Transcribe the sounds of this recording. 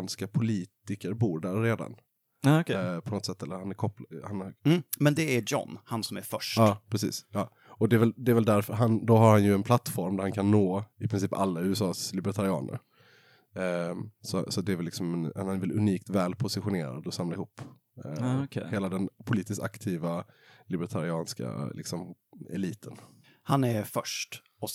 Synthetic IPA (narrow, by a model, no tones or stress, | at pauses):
nskapʰʊliːt̪ɪkəɾbuːɾɖæɾːeːd̪a̰n | akpʰɔnɔt̪sɛt̪ʰːɛlːəɾhanæɾkʰɔplhanːmɛnd̪ɛæɾd͡ʒɔ̰nhansɔmæɾfœʂɑːpʰɾɛsḭːsjɑː | ɔd̪ɛɛɾvɛld̪ɛːɾvɛld̪æɾfəɾɦand̪ɔɦaɾhanjɵɛnpʰlat̪ːfɔɾmd̪æɾhankʰanːoːɪpʰɾɪns̬iːpa̰lːaʉːɛsɑːslɪbəɾt̪ʰaɾɪɑ̰ːnə̰ɾ | sɔsɔat̪̚d̪ɛːvɛlːɪksɔmɛnvɛlɵniːk̚t̪vɛːlpʰʊsɪɧʊneːɾa̰d̪ɔsamlaɪhuːpː | heːlad̪ɛnpʰʊliːt̪ɪsk̪a̰kt̪ʰiːvalɪbɛɾt̪ʰaɾɪɑːnska̰lɪ̰ksɔmɛ̰liːt̪ʰən | hanæɾfœʂʈ | ɔ